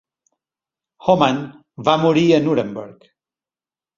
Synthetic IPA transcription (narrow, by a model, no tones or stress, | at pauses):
xoman | bamuɾiənuɾembəɾk